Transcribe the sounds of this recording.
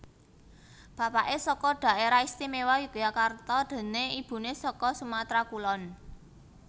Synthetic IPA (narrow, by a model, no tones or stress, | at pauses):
b̥ä̤paʔesɔkɔɖ̥a̤ʔeɾaist̪imewajuɡ̥jakart̪ɔd̪̥ə̤neib̥ṳnesɔkɔsumat̪ɾakulɔn